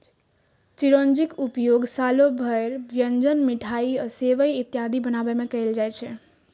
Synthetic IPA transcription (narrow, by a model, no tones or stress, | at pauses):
t͡ʃiɾond͡ʒikupjoɡsalobʱəeɾʋjənd͡ʒənmiʈʰaiəseʋəjit̪jad̪ʱibənaʋəmẽkəeld͡ʒajt͡ʃʰe